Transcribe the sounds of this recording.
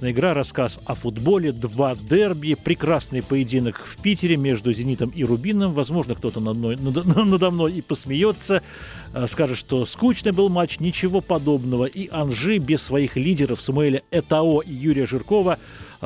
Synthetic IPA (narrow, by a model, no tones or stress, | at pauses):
nəjəɪɡɾaɾɐskasɐfʊd̪bo̞lʲɪd̪vad̪ɛrbʲɪɪpɾʲɪkɾasnɨjpəjɪdʲinəkfʲpʲitʲɪɾʲɪmʲe̞ʐd̪ʊzʲɪnʲit̪əmiɾʊbʲinːəmvɐzmo̞ʐnək̚t̪o̞t̪ənɐnojnnəd̪ɐmno̞jipəsmʲɪjo̞t̪sə | skaʐɨt̪ʂt̪o̞skut͡ɕnɨjbɨlˠmat͡ɕnʲɪt͡ɕɪvo̞pɐd̪o̞bnəvəʔiʔɐnʐɨbʲɪssːvɐixlʲidʲɪɾəfsəmʊɛlʲəɛt̪ɐo̞ʔijuɾʲɪjəʐɨrko̞və